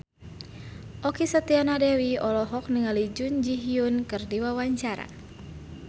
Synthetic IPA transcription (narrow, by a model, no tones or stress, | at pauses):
ʔɔkisat̪ianadɛwiɔlɔɦɔk̚niŋalid͡ʒund͡ʒiɦiunkɨrdiwawaɲt͡ʃaɾa̰